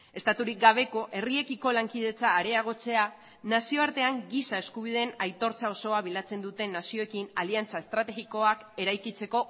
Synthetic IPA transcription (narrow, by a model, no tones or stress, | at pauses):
e̞st̪at̪uɾik̚ɡaβ̞e̞ko̞ʔe̞rie̞kiko̞laŋkið̞e̞t͡saːɾe̞aɣ̞o̞t͡se̞a | nasio̞aɾt̪e̞aŋɡisae̞skuβ̞ið̞e̞najt̪o̞ɾt͡sao̞so̞aβ̞ilat͡se̞nd̪ut̪e̞nːasio̞ekinaliant͡sae̞st̪ɾat̪e̞ɣiko̞ake̞ɾajkit͡se̞ko̞